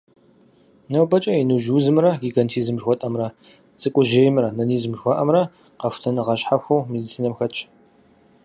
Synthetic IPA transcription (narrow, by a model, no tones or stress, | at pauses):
nɐwbɐt͡ʃʼɐinuʒuːzɨmrɐɡiɡɐntʰiːzɨmʒxʷɔtʼɐmrɐ | t͡sʼɨkʷʼʊʒeːjmrɐnɐniːzmʒxʷɔʔɐmrɐ | qɐfʷtʰɐnɨʁɐɕħaxʷɐwmidit͡sʰiːnɐmxɐt͡ʃʼʰ